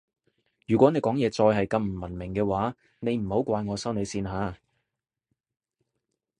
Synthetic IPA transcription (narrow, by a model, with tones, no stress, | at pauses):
jyː˨˩kʷɔː˨˥ne˨˧jkɔː˨˥ŋjɛː˨˧t͡sɔː˧jɦɐ˨jkɐ˧mm̩˨˩mɐ˨˩nmɪ˨˩ŋkɛː˧waː˨˥ | ne˨˧jm̩˨˩ho˨˥wkʷaː˧jŋɔː˨˧sɐ˥wne˨˧siː˧nɦaː˨˧